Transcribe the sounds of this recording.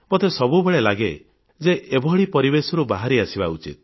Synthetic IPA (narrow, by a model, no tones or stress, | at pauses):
bɔt̪esɔbubeɭelaɡe | d͡ʒeʔebʱɔɦɭipɔɾibesɔɾubaɦaɾiasibaut͡ʃḭt̪̚